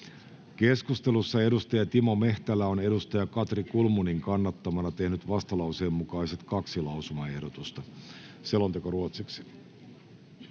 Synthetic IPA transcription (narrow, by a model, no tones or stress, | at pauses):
k̟e̞skust̪e̞lusːɑe̞dust̪ɑjɑt̪imo̞me̞ht̪ælːæo̞ne̞dust̪ɑjɑkɑt̪rikulmuniŋkɑnːɑt̪ːɑmɑnɑt̪e̞hnyt̪ʋɑst̪ɑlɑwseːmːukɑjse̞t̪kɑksilɑwsumɑe̞hdot̪ust̪ɑ | se̞lont̪ekoruot̪siksi̥